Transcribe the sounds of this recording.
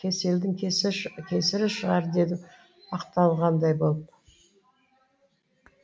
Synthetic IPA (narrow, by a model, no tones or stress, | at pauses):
kʲʰese̞ld̪ɪŋkʲʰe̞sɪɾɪʃəʁɑɾd̪e̞d̪ɪ | ɑqt̪ɑlˠʁɑnd̪ɑjbo̞lˠp